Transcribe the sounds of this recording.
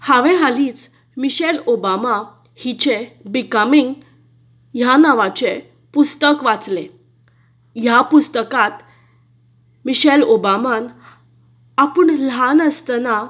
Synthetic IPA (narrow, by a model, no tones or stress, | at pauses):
haʋẽɦaliːt͡s | miɕɛlobama | hit͡ɕebikəmiŋɡ | janaʋat͡ɕe | pust̪əkʋat͡sle | japust̪əkat̪ | miɕɛlobaman | apəɳlɦanəst̪əna